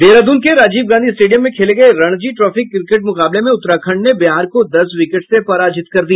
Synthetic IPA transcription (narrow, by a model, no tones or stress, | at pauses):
ʋeːɾad̪uːnkeɾaːd͡ʒiːbɡãːd̪ʱiɪsʈeːɖijə̃mːẽkʰeːleɡɐeɾɐɽ̃d͡ʒiʈɾɔːfɪkːɾɪkeʈ̚mʊqaːblemẽʊt̪ːɾakʰə̃ɳɖnebɪɦaːɾkod̪ɐsʋɪkeʈsepɐɾaːd͡ʒɪt̪kɐɾd̪ia